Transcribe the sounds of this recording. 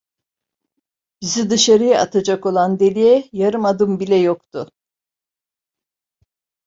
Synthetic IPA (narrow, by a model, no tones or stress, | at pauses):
b̥izid̪ɯʃaɾɯjaat̪ʰad͡ʒako̞lˠand̪e̞lʲijɛjaɾɯmad̪ɯmbilʲɛjokt̪ʰʊ